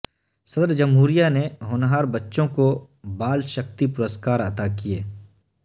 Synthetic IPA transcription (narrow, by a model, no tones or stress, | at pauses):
səd̪əɾd͡ʒəmɦuːɾijaneɦoːnɦaːɾbətːʃõko | baːlʃək̚t̪ipʊɾəskaːɾɐt̪akijeː